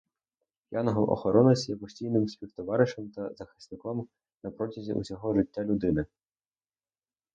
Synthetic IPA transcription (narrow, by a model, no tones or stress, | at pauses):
pjanɔɦɔwʔɔ̰xɔɾɔnɐsʲjɛpɔsʲtʲijnɪmsʲpʲiwt̪ɔʋɑɾɪʃɛmt̪ɐzɐxɪ̥snɪkɔm | nɐpɾɔtʲɐzʲḭʔṵsʲɔɦɔʒɪtʲːalʲʊd̪ɪnɪ